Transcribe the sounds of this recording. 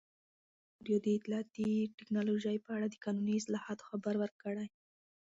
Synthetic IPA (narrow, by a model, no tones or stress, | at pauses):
ɖijod̪əɪt̪ɪlɑt̪iʈɪknɑloʒajpəaɽad̪əkɑnuniɪslɑhɑt̪o̥xabaɾwəɾkəɽaj